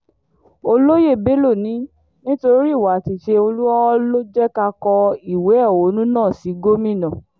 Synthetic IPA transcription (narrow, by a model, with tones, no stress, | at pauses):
o˧lo˦je˦˨be˨˦lo˦˨nĩ˨˦ | nĩ˦to˧ɾi˦˨wa˨˦˨ti˨ʃe˧o˧lu˦ɔ˦lo˦d͡ʒɛ˦ka˧kɔ˧i˦˨we˨˦ɛ˦˨wo˨˦nũ˦nãː˦˨si˨˦ɡo˦mĩ˦˨nã˨